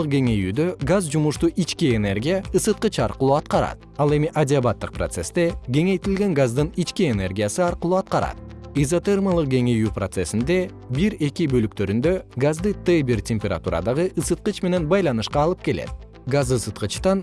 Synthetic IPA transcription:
q̚ɡe̞ŋe̞jyːd̪ø̞ɡazd͡ʒumuʃt̪uʔit͡ʃkiene̞rɡʲijaɯsɯt̪̚qɯt͡ʃɑɾqɯlˠuːɑt̪qɑɾɑ̰t̪̚ɑlˠe̞miʔadʲɪabat̪ːɯq̚prot̪se̞st̪e̞ɡʲe̞ŋe̞jt̪ilɡe̞ŋɡazd̪ɯnit͡ʃkie̞ne̞rɡʲijasɯɑɾqɯlˠuːɑt̪̚qɑɾɑ̰t̪̚ezot̪ermalˠɯq̚ɡe̞ŋe̞jyːprot̪se̞sind̪e̞ | biɾe̞kʲibø̞lyk̚t̪ø̞ɾynd̪ø̞ɡazd̪ɯt̪ebirtʲemʲpʲeɾa̰t̪ṵɾɑ̰d̪ɑʁɯʔɯsɯt̪̚qɯt͡ʃme̞ne̞nbɑjlˠɑnɯʃqɑːlˠɯp̚ke̞le̞̰t̪̚ | ɡazɯsɯt̪qɯt͡ʃt̪ɑn

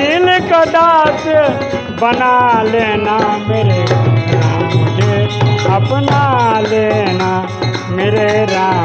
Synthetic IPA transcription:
ilekəd̪aːt̪ | bɐnaleːnameːɾeɾãːmkeapnalena | meːɾeɾaː

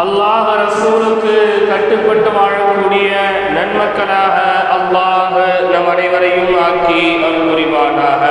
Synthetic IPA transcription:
ɐlːaːɣɯɾɐsuːlɯkːɯkɐʈːɯkːɐɳɖɯʋaːɻɐkːuːɽɪjɐ | nɐnmɐkːɐɭaːɣɐ | ʔɐlːaː | ɣɯ | nɐmɐɽɐɪʋɐɾɐjɯmaːŋki | ʔɐnɯkʊrɪʋaːnaːɣɐ

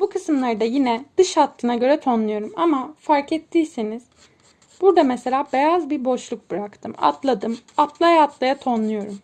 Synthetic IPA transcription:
bukʰɯsɯmlˠaɾd̪ajinɛd̪̥ɯʃhat̪lˠɯnaɟø̞ɾɛt̪ʰo̞nlˠujo̞ɾumamafaɾkɛt̪ʰːijseniz̥ | b̥uɾd̪amɛselʲaːbejazbiɾbo̞ʃlˠuk̚bɯɾakt̪ʰɯma̰t̪lˠad̪ɯmat̪lˠajaːt̪lˠajat̪ʰonlˠujo̞ɾum

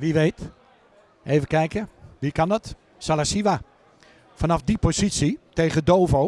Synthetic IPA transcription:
ʋiʋejt | ʔeːvəkɛjkəʋikandɔt | salasiʋa | fanɑfdipozisitejɣədowvo

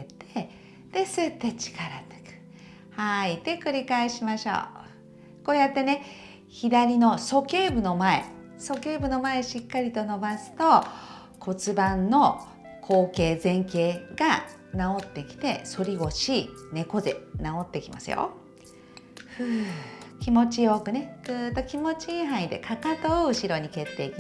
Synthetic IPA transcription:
et̪ʰe | d̪̥e̞sɨt̪ːe̞t͡ɕi̥kaɾat̪e̥kɯ̥ | hait̪e̞kɯ̟ɾʲikaeɕimaɕo̞̰ː | ko̞ːjat̪ːe̞ne̞ | çid̪aɾʲino̞so̞ke̞ːbɯ̟no̞mae̞̰ | so̞ke̞ːbɯ̟no̞mae̞ɕikːaɾʲit̪o̞no̞basɨ̥t̪o̞ | kʰo̞t͡sɨbãnːo̞ | kʰo̞ːke̞ːzẽ̞ŋke̞ːɡa | nao̞t̪ːekʲi̥t̪e̞so̞ɾʲiɡo̞ɕine̞ko̞ze̞̰nao̞t̪ːe̞kʲima̰sɨ̰jo̰ | ɸɯ̟kʲimo̞t͡ɕio̞ːkɯ̟ne̞ɡ̥ɯːt̪ːo̞kʲimo̞t͡ɕĩɦãid̪e̞̰kʰakat̪ooɯ̟ɕiɾo̞ɲ̟ike̞t̪ːe̞ikʲi

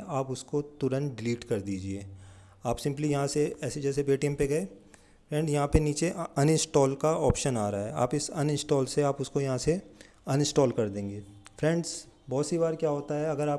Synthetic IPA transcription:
aːpʊskot̪ʊɾə̃nɖɪliːʈkɐɾd̪iːd͡ʒieː | aːpsɪ̃mplijɐɦãseɛːsed͡ʒɛːsebeːʈiɛ̃mpeɡɐe | fʰɾɛ̃ɳɖzjɐɦãpeniːt͡ʃeʔɐnɪ̃nsʈɔːlkaɔːpʃənaːɾaaɦɛ̰a̰ːpɪsɐnɪ̃nsʈɔːlseaːpʊskojɐɦãse | ɐnɪ̃nsʈɔːlkɐɾd̪ẽːŋɡeːfʰɾɛ̃ːɳɖzbɔːt̪sibaːɾkjaːɦoːt̪aɦɛɐɡəɾaːp

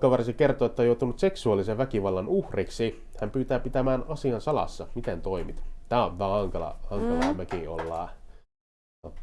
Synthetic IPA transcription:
kːɑʋɑrsikert̪oːet̪ːæojout̪unut̪seksuɑliseʋʋækiʋɑlːɑnuhriksi | hæmpyːt̪æːpit̪æmæːnɑsiɑnsɑlɑ̰sːɑmit̪ent̪oimit̪t̪æːoʋʋæːɑŋkɑlɑ̰hɑŋkɑlɑmækio̰lːɑ̰ː | o

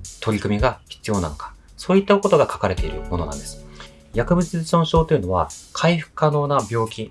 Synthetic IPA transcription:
t̪o̞ɾʲikɯ̟mʲiɡaçi̥t͡sɨjo̞na̰no̞kḁ | so̞ːit̪ːako̞t̪o̞ɡakḁkaɾe̞t̪e̞iɾɯ̟̰mo̞no̞nã̰nd̪e̞sɨ̥ | jakɯ̟bɯ̟t͡sɨzɕõɰ̃ɕo̞ːt̪o̞jiɯ̟no̞βa̰kʰaiɸɯ̟̥kɯ̟̥kano̞ːnabʲo̞ːkʲĩ

